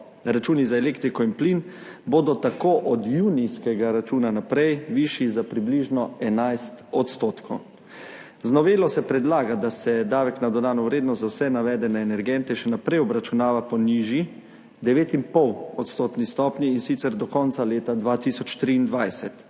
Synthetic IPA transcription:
ɾat͡ʃuːnizaɛleːkt̪ɾikɔinplin | boːd̪ɔt̪akoːʔɔd̪juːnijskɛɡaɾat͡ʃuːnanapɾɛjʋiʃizapɾibliːʒnɔɛnajst̪ɔt̪st̪oːt̪kʰɔw | znɔʋeːlɔsɛpɾɛd̪laːɡad̪asɛd̪aːʋɛknad̪ɔd̪aːnɔʋɾeːd̪nɔszawsɛnaʋɛd̪ɛnɛːnɛɾɡɛnt̪ɛʃɛnapɾɛjɔbɾat͡ʃunaːʋapɔniːʒi | d̪ɛʋeːt̪inpɔwɔt̪st̪oːt̪nist̪ɔːpniːnsit̪sɛɾd̪ɔkɔntsaleːt̪ad̪ʋaːt̪isɔt͡ʃt̪ɾiːnd̪ʋajsɛt̪

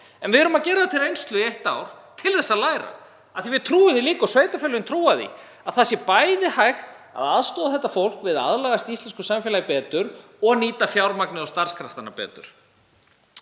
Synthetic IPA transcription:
ɛnvɪɛɾʏmaðcɛːɾaðat̪ʰɪɾejnst̪lʏejht̪awɾ̥ | t̪ʰɪlθɛsːalaːjɾa̰ | aθivɪðt̪ʰɾuːɪniliːkɔsvejt̪afœlʏɪnt̪ʰɾuːaðḭ | aðθasjɛpajðɪhajxt̪ | a̰ðaðst̪ɔːðaθɛht̪ːafowl̥kvɪða̰ðlɛɣast̪ist̪ɛnskʏsamfjɛlajpɛːt̪ʏɾ | ɔɣaniːt̪afjawɾmaknɪðɔst̪aɾ̥skʰɾaht̪anːapɛ̰ːt̪ʏ̰ɾ̥

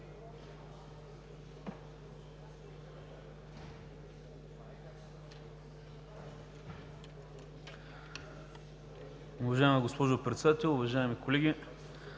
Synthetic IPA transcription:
ʊvɐʒaɛməɡospɔʒopɾɛt̪sɛd̪at̪ɛlˠʊvɐʒaɛmikolɛɡʲi

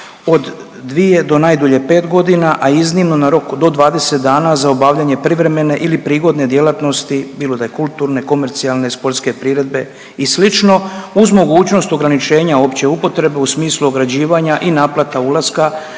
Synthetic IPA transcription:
o̞d̪ː | ʋije̞d̪o̞najd̪oʎe̞pe̞ːt̪ɡo̞d̪inaʔaiznimno̞naɾo̞kd̪o̞d̪ʋaːd̪e̞set̪̚d̪aːnazaobaːʋʎaɲe̞pɾiʋɾe̞me̞ne̞ʔilipɾiːɡo̞d̪ne̞d̪je̞lat̪no̞st̪ibiːlo̞d̪ajekulˠt̪uːɾne̞ko̞me̞ɾt̪sialˠne̞spo̞ɾt̪ske̞pɾiɾe̞d̪̚be̞ | islit͡ʃno̞uzmo̞ɡuːt͡ɕno̞st̪oɡɾanit͡ʃe̞ːɲao̞pt͡ɕe̞upo̞t̪ɾe̞be̞usmiːsluoɡɾad͡ʑiːʋaɲaʔinaːplat̪aulaska

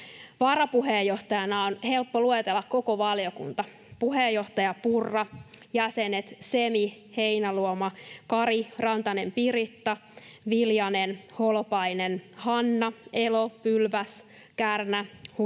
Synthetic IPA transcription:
ʋɑɾɑpuɦeːjːoht̪ɑjɑnɑonhe̞lpːoluet̪elːɑkko̞koʋɑljo̞kṵnt̪ɑ | puɦejːo̞ht̪ɑjɑpurːɑjæsenet̪semi | he̞inæluomɑkɑɾirɑnt̪ɑnempirit̪ːɑʋiljɑnenholpɑinenhɑnːɑelopylʋæs | kærnæh

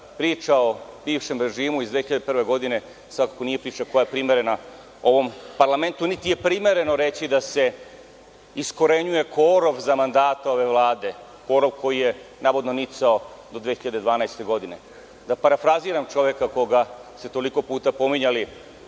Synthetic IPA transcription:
pɾiːt͡ʃaobiːʋʃe̞mɾe̞ʒiːmuizd̪ʋexiʎad̪eprʋe̞ɡo̞d̪ine̞ | sʋakako̞nije̞pɾiːt͡ʃako̞jajepɾime̞ɾe̞na | o̞ʋo̞mpaɾlˠame̞nt̪unit̪ije̞pɾime̞ɾe̞no̞ɾe̞t͡ɕid̪ase̞ | isko̞ɾeɲuje̞koːɾo̞ʋzamand̪aːt̪ao̞ʋe̞ʋlˠaːd̪e̞ | ko̞ːɾoʋkʰo̞jijenaːʋo̞d̪nonit̪saod̪o̞d̪ʋexiʎad̪e̞d̪ʋaːnajst̪e̞ɡo̞d̪ine̞ | d̪apaɾafɾaziːɾamt͡ʃo̞ʋje̞kako̞ɡase̞t̪o̞liko̞puːt̪apo̞miɲali

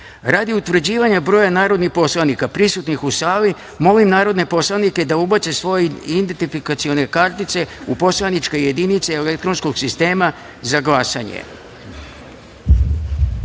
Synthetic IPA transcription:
ɾad̪iut̪ʋr̩d͡ʑiːʋaɲabɾo̞ːjanaːɾo̞d̪nixpo̞slˠanikapɾisut̪nixusaːli | mo̞limnaːɾo̞d̪ne̞po̞slˠanike̞d̪aubat͡ʃ̪e̞sʋo̞jeind̪ent̪ifikat̪sio̞ne̞kaɾt̪it̪se̞upo̞slˠanit͡ʃke̞jed̪init̪seelek̚t̪ɾo̞nsko̞ɡsist̪e̞ːma | zaɡlˠasaɲḛ

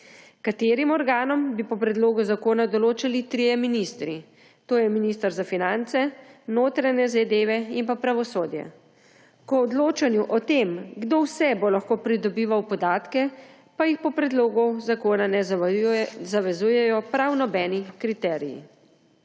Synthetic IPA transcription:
kat̪eːɾimɔɾɡaːnɔmbipɔpɾɛd̪loːɡuzakoːnad̪ɔloːt͡ʃalit̪ɾijɛminist̪ɾi | t̪oːjɛminist̪əɾzafinant̪sɛnoːt̪ɾaɲɛzɛd̪eːʋɛimpapɾaʋɔsoːd̪jɛ̰ | kɔːd̪loːt͡ʃanjuʔɔt̪emɡd̪owsɛbolaxkoːpɾid̪ɔbiːʋawpɔd̪aːt̪kɛ | pajixpɔpɾɛd̪loːɡuzakoːnanɛ | zaʋɛzuːjɛjɔpɾawnɔbɛːnikɾit̪ɛːɾijḭ

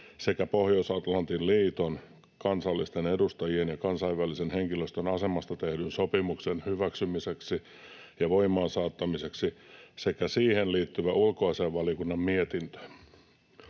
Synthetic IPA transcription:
sekæpohjousɑt̪lɑnt̪inliːt̪on | kɑnsɑlːist̪enedust̪ɑjienjɑkɑnsɑiʋʋælisenheŋkiløst̪ønɑse̞mɑst̪ɑt̪ehdynsopimuksenhyʋæksymiseksi | jɑʋo̞imˑɑːnsɑːt̪ːɑmiseksisekæsiːhenliːt̪ːyʋæʔulkoɑseːʋʋɑliokunːɑmmiet̪int̪ø̥n

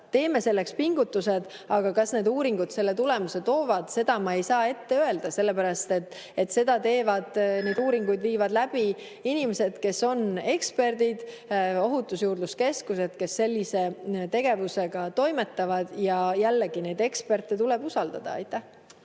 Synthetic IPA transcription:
t̪e̞ːme̞se̞lːe̞kspiŋɡ̥ut̪ːˑuse̞d̪̥ | ɑɡ̥ɑkɑsne̞d̪uːɾiŋɡ̥ud̪̥se̞lːe̞t̪ule̞muse̞t̪o̞ːvɑd̪̥se̞d̪̥ɑmɑejsɑːe̞t̪ːe̞øe̞ld̪̥ɑse̞lːe̞pæɾɑst̪e̞t̪ː | e̞t̪se̞d̪̥ɑt̪e̞ːvɑd̪̥ne̞jd̪uːɾiŋɡ̥ujd̪viːvɑd̪læb̥i | inimese̞d̪̥ke̞so̞ne̞kspe̞rd̪̥id̪̥ | o̞ɦut̪ːˑusjuːrd̪luske̞skuse̞d̪̥ke̞sːe̞lʲːise̞t̪e̞ɡ̥e̞vuse̞ɡ̥ɑt̪o̞jme̞t̪ːɑvɑd̪̥jɑjælːeɡ̥ine̞d̪e̞kspe̞rt̪ːˑet̪uleb̥usɑld̪ɑ̰d̪̥ɑ̰ɑ̰jt̪ˑːæh

